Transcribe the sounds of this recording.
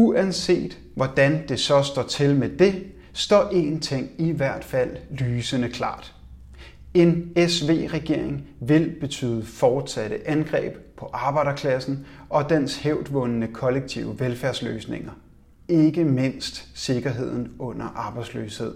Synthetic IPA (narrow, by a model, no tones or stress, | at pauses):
uænse̝̰ːd̥ | ʋɒd̥ænd̥e̝sɒ̽sd̥ɒ̰ːt͡sʰe̝lmed̥e̝ | sd̥ɒ̰ːʔe̝ːnt͡sʰe̝ŋ̰iʋæɐ̰d̥fæl̰lyːsənəkʰlɑ̰̈ːd̥ | e̝nesʋe̝̰ːʁɛɡ̥e̝ɐ̰eŋʋe̝lb̥e̝t͡sʰy̰ːð̞ˠəfɒːd̥sæɾ̥əʔænɡ̥ʁɛ̰ːb̥pʰɒ̽ʔɑ̈ːb̥ɑ̈ɪ̰d̥ɐkʰlæsn̩ʔɒ̽d̥ensheʊd̥ʋɔ̽nənəkʰɒ̽leɡ̥̚t͡sʰiʊəʋelfæɐslø̰ːsne̝ŋɐ | e̝ɡ̥əme̝n̰sd̥se̝ɡ̥ɐɦe̝ð̞̰ˠn̩ɔ̽n̰ɐʔɑ̈ːb̥ɑ̈ɪdslø̰ːshe̝ð̰ˠ